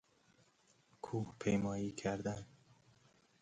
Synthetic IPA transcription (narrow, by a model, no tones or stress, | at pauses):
kʰuːhpʰejmɒːiːkʰæɾd̪æn